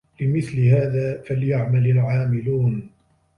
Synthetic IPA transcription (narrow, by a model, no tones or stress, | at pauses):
lɪmɪθlɪɦaːðaːfaljaʕmalalʕaːmɪluːn